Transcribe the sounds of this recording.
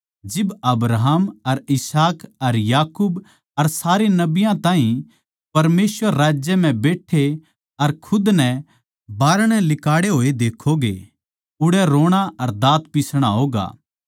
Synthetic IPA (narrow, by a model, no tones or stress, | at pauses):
d͡ʒɪbɐbɾaɦamɐɾɪsaːkɐɾjaːkuːb | ɐɾsaːɾenɐbɪjãt̪ãːɦĩ | pɐɾmeːsʋəɾːaːd͡ʒjɛm̤ɛ̃beːʈʰːe | ɐɾkʰʊd̪nɛ | baːɾɽ̃ɛlɪkaːɽeɦoːed̪eːkʰoɡḛ | ʊɽɛɾoːɽ̃aɐɾd̪aːt̪pɪsɽ̃aɦoːɡa̰ː